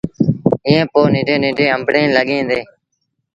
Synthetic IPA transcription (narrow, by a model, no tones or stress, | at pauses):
ɪːẽːpoːnɪ̃ːɖẽːnẽːɖʱẽːəmbɽẽːləɠẽːnd̪eː